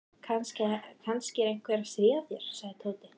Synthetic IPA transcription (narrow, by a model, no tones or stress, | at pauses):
kʰanscɪkʰanscɪɛɾejŋ̥kʰvɛɾasɾiːaθjɛɾ̥saɣðɪt̪ʰoːwt̪ɪ